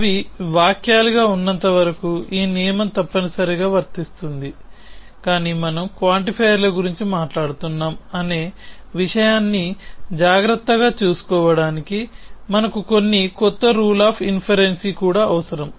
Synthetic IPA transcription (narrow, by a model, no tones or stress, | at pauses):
ɐʋiʋaːkjaːluɡaːunːɐnt̪ɐʋɐɾɐkuiːnijɐmɐmt̪ɐpːɐnusɐɾiɡaːʋɐɾt̪ist̪und̪i | kaːniːmɐnɐmkʋaːɳʈipʰɐjɐɾlɐɡuɾiɲt͡ʃimaːʈlaːɽut̪unːaːmɐne̞ːʋiʂɐjaːnːid͡ʒaːɡɾɐt̪ːɐɡaːt͡ʃuːsu̥kɔːʋɐɽaːnikimɐnɐkuko̞nːikɔt̪ːɐɾuːlaːpʰinpʰɐɾe̞nsikuːɽaːɐʋɐsɐɾɐm